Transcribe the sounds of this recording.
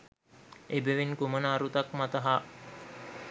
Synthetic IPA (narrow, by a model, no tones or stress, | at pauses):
ebeʋinkumənaːɾut̪akmat̪əɦa